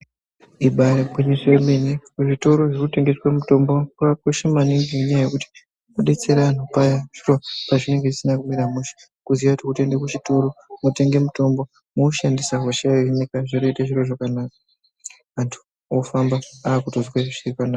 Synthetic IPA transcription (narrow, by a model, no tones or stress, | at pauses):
iɓaɾebʱwinisemenekuʐito̞ɾo̞ʐirute̞ŋɡeswamuto̞mbokuakoʃemaniŋɡiɲajaje̞kuti̥ | moɗe̞t͡se̞ɾan̤upajaʐ̥iro̞paʐine̞ŋɡeʐisinakumiɾamuʃi̥ | kuziʋatokutendekut͡ʃito̞ɾo̞mote̞ŋɡe̞muto̞mbo | mouʃandisaɦoʃaenekaʐonoitaʐiro̞ʐakanaːka | ʋantʰu̥ | ofambaaːkutozwaʐiripanaːka